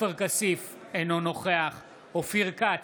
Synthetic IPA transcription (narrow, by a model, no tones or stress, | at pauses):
eʁkasif | enonoχeaχ | ofiʁka